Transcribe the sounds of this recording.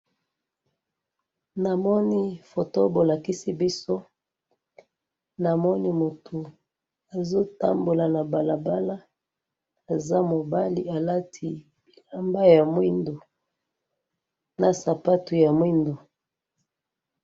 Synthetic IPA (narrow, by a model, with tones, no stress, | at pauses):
na˨mɔ˦ni˦fo˨to˦bo˨la˨ki˦si˦bi˦so˦ | na˨mɔ˦ni˦mo˨tʰu˨ | a˨zo˦ta˦mbo˨la˨na˨ba˨la˨ba˦la˦ | a˨za˦mo˨ba˦li˨a˨la˦tʰi˨ | b̥i˨la˦mba˦ja˨mwi˦ndo˨ | na˨sa˨pa˦tu˨ja˨mwi˦ndo˨